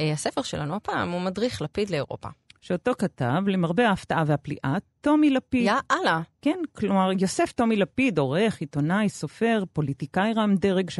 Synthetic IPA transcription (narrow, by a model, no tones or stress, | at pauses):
hasefeʁʃelʔa̰nuapaːmumadʁiχlapid̪leːʁo̞̰pa̰ʃeoto̞katavlemaʁbeaːftaʔaveaplḭʔatt̪ːo̞milapidaʔalakenklo̞maʁjo̞se̞fto̞milapido̞ʁe̞χit̪o̞najso̞fe̞ʁpo̞litikajʁamd̪eʁeɡʃ